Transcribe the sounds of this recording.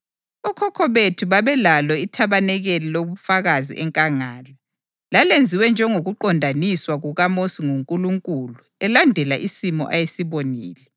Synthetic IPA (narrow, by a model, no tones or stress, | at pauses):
ɔkʰɔkʰɔβetʰuβaβɛlalɔitʰaβanɛɣɛliloβufaɣazḭʔɛŋkʼaŋaːla | lalend͡zʱiwɛnd͡ʒʱɛŋoɣuǃɔndʱaniswaɣuɣamosiŋuŋkʼuluŋkʼulu | ɛlandʱɛlaʔisimɔ̰ʔajesiβonḭːlɛ